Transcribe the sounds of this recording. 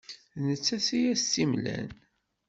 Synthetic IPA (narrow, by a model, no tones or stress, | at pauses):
nət͡sːæsijæstːimlæ̰n